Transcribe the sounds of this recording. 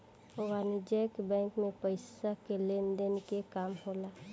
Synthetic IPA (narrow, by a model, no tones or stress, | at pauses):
oɡanid͡ʒɛkbɛ̃ːŋkmẽpəɪsakelemd̪enkekaːmɦolaː